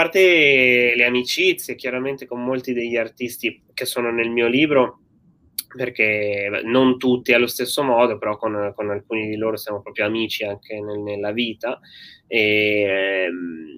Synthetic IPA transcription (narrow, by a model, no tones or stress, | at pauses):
apːart̪eleamit͡ʃit̪sːjekjaɾament̪ekomːolt̪id̪eʎːiart̪ist̪i | kesːoːnonelmiːoliːbɾo | perkenont̪ut̪ːialːost̪esːomɔːd̪opeɾɔkonkonalkuːnid̪iloːɾosjaːmopɾɔːpɾjoamiːt͡ʃiaŋkʰenenelːaviːt̪ae